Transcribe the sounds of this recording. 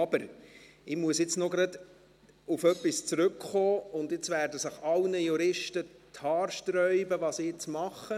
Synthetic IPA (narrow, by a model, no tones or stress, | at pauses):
ɑb̥əɾ | ɪmuəsjɪt͡snoɡɾɑd̪ | ufœpːist͡sɾɵkχoːʊnd̪ɪt͡svæːɾdəsəχɑlnəjuɾɪʃtətʰɑːɾʃtɾœʏbəʋɑːsɪjɪt͡smɑχːə